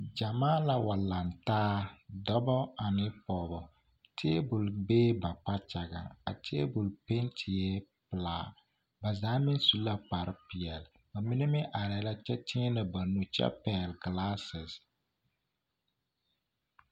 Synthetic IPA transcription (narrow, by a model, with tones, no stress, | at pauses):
d͡ʒa˨maː˦la˨wa˨la˨ntaː˦dɔ˦bɔ˦a˨nɪ˦pɔː˨bɔ˨ | tʰe˦bʊ˨lbeː˦ba˨pa˦t͡ʃa˨ɡa̰˨ŋa̰˨tʰḛ˦bu˨lpe˦ntʰɪ˨jɛ˦pɨ˨laː˨˦ | ba˨zaː˨˦mɪ˦n˦su˦la˦pa˨ɾɪ˦pɪ˨ɛ˨l | ba˨mɪ˦nɛ˦mɪ˦ʔa˨ɾɛ˨˦la˦t͡ʃɛ˦tʰɪ˦nɨ˨ba˨nu˨t͡ʃɛ̰˦pɛ˨lɡla˦sɪ˨s